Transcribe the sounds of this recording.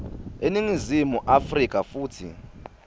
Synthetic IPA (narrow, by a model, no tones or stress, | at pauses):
eniŋizimuʔafrik̬ʼafuːtʰḭ